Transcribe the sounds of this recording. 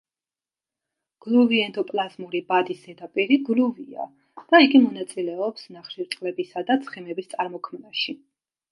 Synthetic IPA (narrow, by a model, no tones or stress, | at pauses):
ɡ̥lˠuviɛnd̪ɔpʼlˠazmuɾibad̪isɛd̪apʼiɾiɡluvia̰ | d̪̥aiɡimɔnat̪sʼilɛɔpsnaχʃiɾt̪ʼqʼlɛbisad̪at̪sʰχɛmɛbist̪sʼaɾmɔkʰmnaʃi